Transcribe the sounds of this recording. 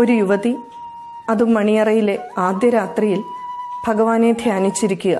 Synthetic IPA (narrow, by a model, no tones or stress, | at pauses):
o̞ɾujuʋɐði | ɐðumːɐɳijɐrɐjile̞aːd̪jɐɾaːt̪rijilbʱɐɡɐʋaːne̞d̪ʱjaːnit͡ɕːiɾikʲːuɣɐ